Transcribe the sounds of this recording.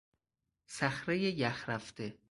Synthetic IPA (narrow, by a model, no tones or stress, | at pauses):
sæxɾejejæxɾæft̪e